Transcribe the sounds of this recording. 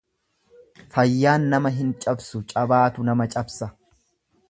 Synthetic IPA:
fɐjːaːnːɐmɐɦɪnt͡ʃʼɐbsʊt͡ʃʼɐbaːt̪ʊnɐmɐt͡ʃʼɐbsɐ

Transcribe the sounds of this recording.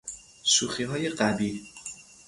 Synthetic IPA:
suχiɦɒːjeqabi

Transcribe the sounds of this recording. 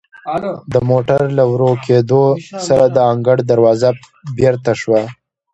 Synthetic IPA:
d̪əmoʈaɾlawɾoked̪osaɾad̪əɑŋɡaɽd̪aɾwɑza | beɾt̪aʃwa

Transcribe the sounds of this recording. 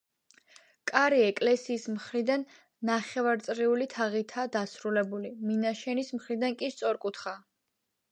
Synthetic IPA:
kʼaɾiɛkʼlɛsiːsmχɾid̪anː | aχɛvaɾt̪sʼɾiulit̪ʰaʁit̪ʰaːd̪asɾulɛbuliminaʃɛnismχɾid̪ankʼist̪sʼɔɾkʼut̪ʰχa

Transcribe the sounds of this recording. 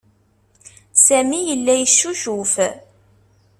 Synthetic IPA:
sæmijəlːæjəʃːuʒuf

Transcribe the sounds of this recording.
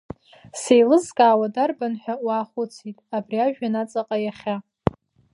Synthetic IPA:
sejlɨzkʼaːwadarbanħʷᶣawaːχʷʊt͡sʰitʼabriaʒᶣanat͡sʼaqʼajaχʲa

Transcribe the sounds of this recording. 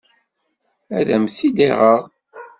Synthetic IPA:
æðæmθid̪iʁəʁ

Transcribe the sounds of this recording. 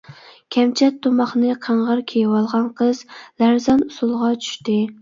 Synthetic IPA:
kʲʰɛmt͡ʃʰɛt̪ʰːomɑχnɨqʰæɴʁəɾkʲʰejwɑlˠʁɑnqʰəz̥læɾzɑnusulˠʁɑt͡ʃʰy̥ʃt̪ɪ

